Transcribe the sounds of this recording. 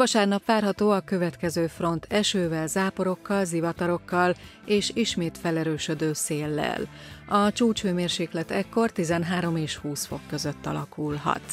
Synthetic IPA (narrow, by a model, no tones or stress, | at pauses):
vɒʃaːrnɒpʋaːrɦɒt̪oːɒkø̞vɛt̪kɛzøːfro̞nt̪ʰɛʃøːvɛlzaːpo̞ɾo̞kːɒlzivɒt̪ɒɾo̞kːɒl | eːʃiʃmeːt̪fɛlɛɾøːʃø̞d̪øːseːlːɛ̰lɒt͡ʃuːt͡ʃføːmeːrʃeːklɛt̪ɛkːo̞rt̪izɛnɦaːɾo̞meːʃhuːsfo̞̰kːø̞zøt̪ːɒ̰lɒkulɦɒ̰t̪